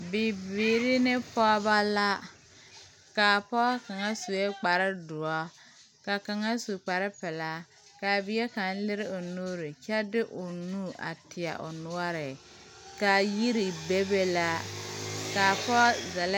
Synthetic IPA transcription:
bi˨bi˨ɾɪ˦nɪ˦pɔ˦ba˦la˦ | kaː˨pɔ˦ka˨ŋa˦su˨e˦k͡pa˨ɾɪ˦dʊ˨ɔ˦ | ka˨ka˨ŋa˦su˨k͡pa˨ɾɪ˦pɛ˨la˦ | ka˨bɪ˨˦e˦ka˨˦n˦lɪ˦ɾɪ˦ʊ˨no˦ɾɪ˨t͡ʃɛ˦dɪ˦ʔʊ˨nu˦˨ʔa̰˨tɪ˨a̰˨ʔʊ̰˨nʊ˦a˦ɾɪ˨ | ka˨ji˦ɾi˨be˦be˦la˦ | ka˨pɔ˦zɛ˨l

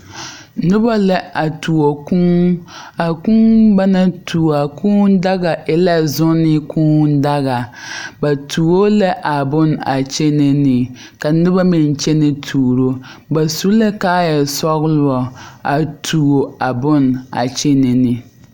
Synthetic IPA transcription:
nʊ˦ba˦lɛ˦a˨tu˨o˨ku˦ŋa˨ku˦ba˦na˦tuː˨a˨kʰũː˦n˦da˦ɡa˨ʔɪ˦la˦zʊ˦nɪ˦kʰũː˦n˦da˦ɣa˨ba˨tʰuː˨wo˦lɛ˦ʔa˨bʊ˦na˨t͡ʃe˦ne˦nɪ˨ | ka˨nʊ˦ba˦mɪ˨n˨t͡ʃɛ˦nɪ˦tʰuː˨ɾo˦ba˨su˦lɛ˦ka˦jɛ˨sɔ˦ɣlʊ˦ɔ˨a˨tʰu˨o˨a˨bʊ˦˨na̰˨t͡ʃe˦ne˨nɪ˨

